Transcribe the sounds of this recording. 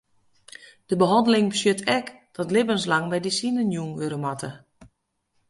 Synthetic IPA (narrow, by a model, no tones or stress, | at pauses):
d̥əbəɦɑndəlɪŋbəsjøtʰɛk | d̥ɔtlɪbənslaŋbɛjdəsinənjuːŋʋøɾəmatʰə